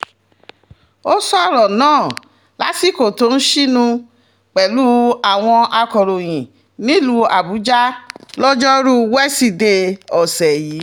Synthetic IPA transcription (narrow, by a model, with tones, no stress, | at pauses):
o˦sɔ˦˨ɾɔ˨nãː˦˨ | la˨˦ti˦˨ko˨to˨˦n̩˦ʃi˦nũ˧ | k͡pɛ˨lu˦a˦˨w̃ɔ̃˧a˧kɔ˨ɾo˨j̃ĩ˨ | nĩ˨˦lu˧a˨bu˨˦d͡ʒa˦lɔ˦d͡ʒɔ˦ɾu˦wɛ˦si˦˨de˧ɔ˨sɛ˨ji˨˦